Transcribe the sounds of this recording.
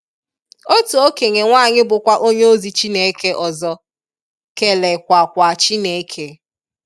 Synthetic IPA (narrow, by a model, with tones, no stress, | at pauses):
o˦to˨o˦ke˨ŋe˨ŋʷaː˦˨ɲɪ˦bʊ˨kʷa˦ʔo˦ɲe˦o˦zi˨t͡ʃi˦ne˨˦ke˦ʔɔ˨zɔ˦ | ke˨le˨kʷa˨kʷa˨t͡ʃi˦ne˨˦kʰe˦